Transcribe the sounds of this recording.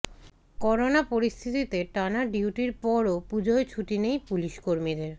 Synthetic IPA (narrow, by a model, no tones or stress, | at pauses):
kɔɾonapoɾist̪ʰit̪it̪eʈanaɖiuʈiɾpɔɾopud͡ʑʱoet͡ɕʰuʈinejpuliʃkoɾmid̪eɾ